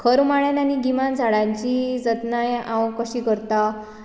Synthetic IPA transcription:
kʰəɾmaɭjananiɡimand͡zʱaɽãɲt͡ɕid͡zət̪najãwkəɕiːkəɾt̪a

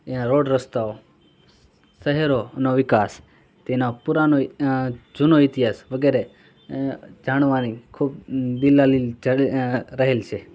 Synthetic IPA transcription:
enaɾoɖɾəst̪ao | səɦɛɾoənoʋɪkas | t̪enopuɾano | d͡ʒunoit̪iɦasʋəɡeɾe | d͡ʒaɳ̃ʋanikʰubbilalid͡ʒəɾəɦelt͡ʃʰe

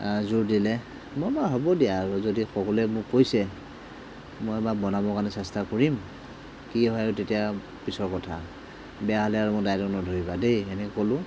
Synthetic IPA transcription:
zuɹdilɛ | mobaɦobɔdijaːɹuzodixɔkɔlɛmʊkːojsɛ | mɔjɛbabɔnamɔkanɛsɛstakɔɹim | kiɦɔajutetija | pisɔɹkɔtʰa̰ | bɛjaɦɔlɛaɹumʊdajlɔknɔdʱoɹibadejɛnɛkkolʊ̃

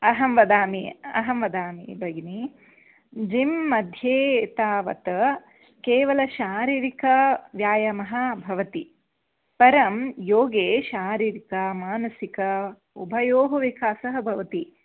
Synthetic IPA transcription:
ɐɦɐmʋɐd̪aːmiɐ̰ɦɐmʋɐd̪aːmḭbʱɐɡni | d͡ʒimːɐd̪ʱjeːt̪aːʋɐ̰t̪ɐ | keːʋɐlɐʃaːɾiːɾikɐʋjaːjɐmɐɦɐbʱɐʋɐt̪i | pɐɾɐmjoːɡeːʃaːɾiːɾikɐmaːnɐsikɐ | ubʱɐjoːɦɐʋikaːsɐɦɐbʱɐʋɐt̪i

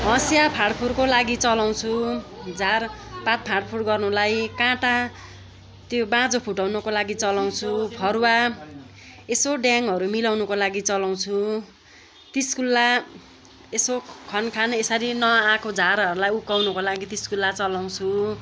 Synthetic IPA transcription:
ɦʌ̃sjapʰarɖpʰurkolaɡit͡sʌlaw̃t͡sʰud͡zʱarpat̪̚pʰarʈpʰuɽɡʌrnulajkãʈa | t̪jobãd͡zopʰuʈawnʌkolaɡit͡sʌlaw̃t͡sʰupʰʌɾwa | esoɖjaŋɦʌɾumilawnʌkolaɡit͡sʌlaw̃t͡sʰu | t̪iskulːa | esokʰʌnkʰanesʌɾinʌãkod͡zʱaɾʌɾulajukawnʌkolaɡit̪iskulːat͡sʌlaw̃t͡sʰu

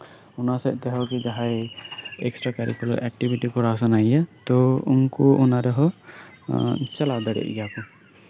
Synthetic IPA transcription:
unasɛʔt̪ɛɦɔkid͡ʒaɦajɛ̰ksʈɾakaɾḭkɔlɔ̰ʔɛk̚ʈibiʈikɔɾasanaijat̪ɔṵŋkuʔunaɾɛɦɔ | t͡ʃalawd̪aɾɛ̰ʔḭjakɔ

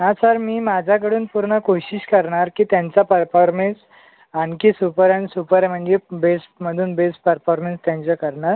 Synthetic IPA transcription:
ɦasəɾmiːmad͡ʑʱak̬əɽuːnpuɾɳəkoɕiɕkəɾɳaɾkiːt̪jãɲt͡sapəɾfɔɾmẽns | ankiːsupəɾãnsupəɾɛm̤əɳd͡ʑebesʈməd̪ʱuːnbesʈpəɾfɔɾmẽnst̪jãɲt͡ɕakəɾɳaɾ

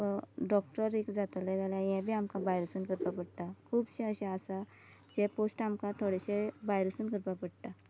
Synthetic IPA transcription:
ɖɔk̚ʈəɾekd͡zat̪əlad͡zalajɛ̃bʱiamkabajɾusənkəɾpapəɽt̪akʰuːbsẽəɕẽasa | d͡ʒeposʈamkat̪ʰoɽesebajɾusənkəɾpapəɽt̪a

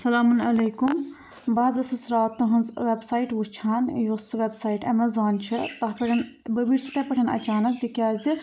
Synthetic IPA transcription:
sɐlaːmunɐlejkum | baːzɐsisɾaːt̪ːuɦɐnzʋebsaːiʈʋut͡ʃʰaːnjosʋebsaːiʈɐ̰mɐzaːnt͡ʃʰit̪ɐpɐʈʰɐn | bɐbiɾsi̥t̪ɐpɐʈʰɐnɐ̰t͡ʃaːnɐkt̪ikʲaːzi

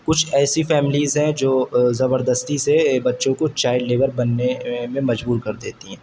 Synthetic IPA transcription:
kʊt͡ʃʰɛːsifɛːmɪliːzɦɛ̃d͡ʒoːzɐbəɾd̪əst̪isebɐtːʃõkot͡ʃaːɪɖleːʋəɾbɐnːemẽmɐd͡ʒbuːɾkɐɾd̪eːt̪iɦɛ̃ː

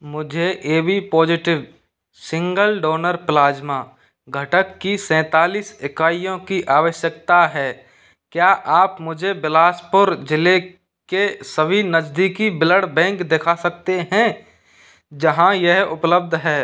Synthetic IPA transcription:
mʊd͡ʒʱeʔeːbipɔːd͡ʒɪʈɪʋ | sɪ̃ŋɡəlɖoːnəɾplaːd͡ʒma | ɡʱɐʈəkːisɛ̃ːt̪aːliːsɪkaːijõkiʔaːʋəʃjək̚t̪aɦɛː | kjaːʔaːpmʊd͡ʒʱebɪlaːspoːɾd͡ʒɪle | kesəbʱinəd͡ʒd̪ikibɪləɽbɛ̃ːŋkd̪ekʰasəkt̪eɦɛ̃ | d͡ʒɐɦãjɛɦʊpləb̚d̪ʱɦɛː

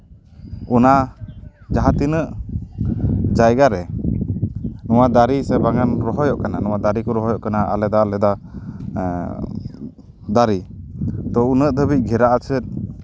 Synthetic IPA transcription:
una | d͡ʒaɦat̪inəʔ | d͡ʒajɡaɾɛ | nɔwad̪aɾisɛbaŋanɾɔɦɔjɔʔkananɔwad̪aɾikɔɾɔɦɔjɔʔkanaʔa̰lɛd̪alɛd̪a | d̪aɾid̪ɔunəʔd̪əbit̪̚ˀɡʱɛɾaʔat͡ʃʰət̪̚

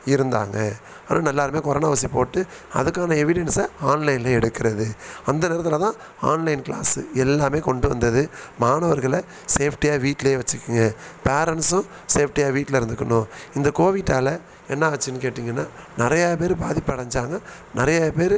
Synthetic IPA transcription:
ɪɾɯnd̪a̰ːŋɡɐ | aːnʔaːnɛlːaːɾɯmeːkɔɾɐnaːʋɐsipoːʈːɯ | ɐ̰ðɯkːaːnɐɛʋɪɽɛnsɐaːnlɐɪnlɐɛɽɯkːɪɾɐðɯɐnd̪ɐnɛːɾɐt̪ːɪlɐt̪ãː | aːnlɐɪnkɪla̰ːsɯ̰ɛlːaːmeːkɔɳɖɯʋɐ̰nd̪ɐðɯmaːnɐʋɐɾɣɐɭɐ | seːfʰʈɪjaːʋiːʈːɪleːʋɐt͡ʃːɯkːɯŋɡɐpeːɾɐnsʊ̃ | seːfʰʈɪjaːʋiːʈːlɐɪɾɯnd̪ɯkːɐnʊ̃ɪnd̪ɐkoːʋɪʈːaːlɐ | ɛnːɐːɐt͡ʃːɪnːɯkeːʈːiːŋɡɐnːaːnɪɾɐjaːpeːɾbaːðɪpːɐɽɐɲd͡ʒaːŋɡɐ | nɪɾɐjaːpeːɾ

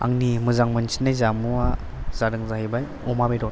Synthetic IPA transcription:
a̰ŋnimɯzaŋmɯnsinːajzamuwa | z̥aɾɯŋzahibaj | ɔmabejɾɔt

